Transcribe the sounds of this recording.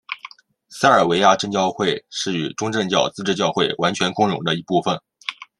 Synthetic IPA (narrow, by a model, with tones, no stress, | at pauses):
s̩˥ə˞˨˩we˧˥ɪja˥˧ʈ͡ʂɤ˥˧ŋt͡ɕjɑ˥˧ʊxwe˥˧ɪʂɻ̩˥˩y˨˩ʈ͡ʂʊ˥ŋʈ͡ʂɤ˥˧ŋt͡ɕjɑ˥˩ʊt͡sɹ̩˥˧ʈ͡ʂɻ̩˥˧t͡ɕjɑ˥˧ʊxwe˥˩ɪwa˧˥nt͡ɕʰɥɛ˧˥nkʊ˥ŋɻʊ̰˧˥ŋd̪ə˧i˧˥pu˥˩fə˨˩n